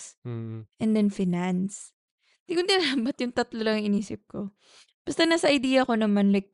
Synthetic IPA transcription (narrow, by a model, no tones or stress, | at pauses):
ʔɛnd̪ɛnfɪnans | d̪ikʊnd̪ɪnaːbɐt̪jʊŋt̪ɐt̪lolɐŋɐŋɪniːsɪp̚ko̞ | b̥ɐst̪ɐnaːsɐʔɐjd̪iːjɐko̞nɐmɐnlɐjk̚